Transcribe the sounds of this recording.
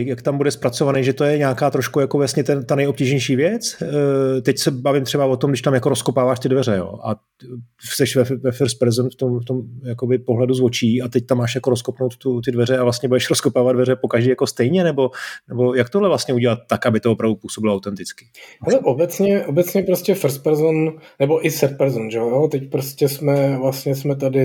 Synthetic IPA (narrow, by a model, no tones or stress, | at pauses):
jakt̪ambudɛspɾat͡sovanɛʒɛt̪ojɛɲaːkaːt̪ɾoʃkujakovast̪ɲɛt̪ɛnt̪anɛjo̞p̚ciːʒɲɛjʃiːvjɛt͡s | t̪ɛcsɛbavɪmt̪r̥ɛbavo̞t̪omɡdɪʃt̪amjakoɾoskopaːvaːʃt̪ɪdvɛrɛjo̞̰ːʔa̰ | sɛʃvɛvɛfɪɾspɾɛzɛmft̪omft̪omjakobɪpo̞ɦlɛduzvo̞t͡ʃiːat̪ɛct̪amːaːʃjakoɾoskopno̞wt̪t̪ut̪ɪdvɛrɛavlast̪ɲɛbudɛʃɾoskopaːvad̪dvɛɾɛpo̞kaʒdiːjako̞st̪ɛjɲɛnɛbo̞nɛbo̞jak̚t̪odlɛvlast̪ɲɛuɟɛlat̪ːakʔabɪt̪oopɾavdupuːso̞bɪloawt̪ɛnt̪ɪt͡skɪ̥hɛlɛʔobɛt͡sɲɛʔobɛtt͡sɲɛpɾoscɛfɾs̚pɛɾzonnɛboʔɪsɛp̚pɛɾzonʒɛojot̪ɛcpɾoscɛsmɛvlast̪ɲɛsmɛt̪adɪ